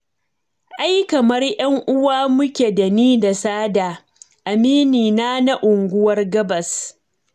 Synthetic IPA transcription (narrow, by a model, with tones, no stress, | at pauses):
ʔa˦jkɐ˨mɐ˦rjɐ˦ŋʔʊ˦waː˦mʊ˦kʲeː˨da˨niː˦da˨saː˦daː˨ | ʔa˨miː˦niː˨naː˦na˦ʔʊ˨ŋɡʷʊ˦wɐ˦rɡɐ˦bɐ˨s